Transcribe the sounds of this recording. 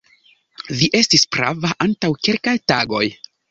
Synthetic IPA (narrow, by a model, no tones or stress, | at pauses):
viʔe̞stispɾa̰vaʔantawke̞lkajtaɡo̞j